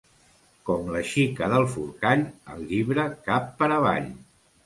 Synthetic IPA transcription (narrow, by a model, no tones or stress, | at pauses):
kɔmləʃikəðəlˠfṵɾkaʎəlʎiβɾəkapːəɾəβ̞a̰ʎ